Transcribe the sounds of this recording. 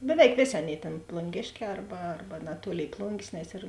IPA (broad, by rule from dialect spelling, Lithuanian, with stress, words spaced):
bʲɛˈʋʲɛɪk ˈʋʲeːˌsʲeː ˈɑːˌnʲeːɪ tʲeːn plˠʊŋʲˈɡʲeːʃʲˌkʲɛː ˈɐrbɐ ˈɐrbɐ nɐˈtuɔlʲeːɪ ˈplˠʊŋʲɡʲeːs nʲɛs ɪr